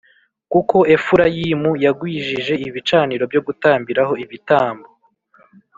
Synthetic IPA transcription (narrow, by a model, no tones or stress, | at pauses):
kuko̞e̞fuɾajimujaɡwiːʒiʒe̞iβit͡ʃaːniɾo̞bjo̞ɡutaːmbiɾaho̞iβitaːmbo